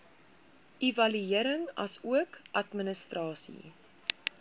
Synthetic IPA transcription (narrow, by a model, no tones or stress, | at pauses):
ʔivɐlyiəɾəŋɐ̰suəkʔɐtmənəstrɑːsḭ